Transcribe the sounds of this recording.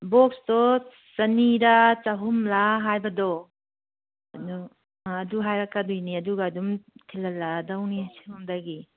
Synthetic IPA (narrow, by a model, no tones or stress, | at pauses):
bɔksdɔ | sɐniɾat͡ʃaɦumlaɦajbɐdɔ | ɐdɔ | ɐduɦajɾakːadujniɐduɡaːdumtʰilɐlːadawnisihumdaɡi